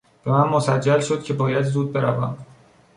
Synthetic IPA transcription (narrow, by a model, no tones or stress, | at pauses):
b̥e̞mænmosæd͡ʒːælʃo̞d̪̥cʰe̞bɒːjæd̪zuːd̪̚be̞ɾævæ̰m